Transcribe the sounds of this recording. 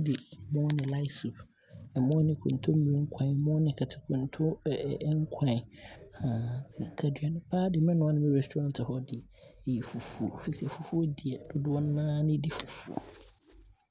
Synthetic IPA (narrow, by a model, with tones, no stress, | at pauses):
dɪ˨mɔ̃˦nɪ̃˨la˦ɪ˦su˨ | ɛ˨mɔ̃˦nɪ̃˨kʰʊ̰̃˨n˨tʰʊ˦mĩ˨ɾŋ̩˦kʰã˨mɔ̃˦nɪ̃˨kʰa˨tʰɪ̥˨kʰʊ̃˨ntʰʊ˦˨ʔŋ˦kʷʰã˨hã˨sḭ˨kʰa˨dɥa˨nʊ̃˦pʰaː˦dɪ˨m˦ɛ̃˦nʊ̃˦a˦nɪ̃˦mɪ̃˦ɾɛ˨stʰu˨ɾã˦ntʰɪ˨hɔ˦dɪ˨ | jɛ˨fu˨fu˦˨fi˦si˨˦ɛ˨fu˨fu˦ɔ˦di˨ɛ˨d̥ʊ˦dʊ˦ɔ˦n˦nã˦nɪ̃˦di˦fu˨fṵ˦˨o̰˨